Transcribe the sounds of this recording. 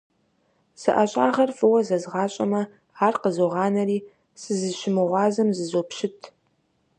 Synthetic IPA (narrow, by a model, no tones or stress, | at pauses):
sɨ̰ʔɐɕʼaːʁɐrfɨwɐzɐzʁɑːɕʼɐmɐ | aːrqəzoʁɑːnɐɾiː | sɨzɨʃɪmɨʁʷɑːzɐmzɨzopʃɪtʰ